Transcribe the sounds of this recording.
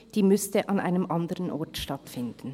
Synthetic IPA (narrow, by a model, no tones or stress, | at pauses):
d̥iːmʏstəʔɑnʔa̰ɪnəmʔɑndəʁənʔɔ̰ʁtʃtatfɪndn̩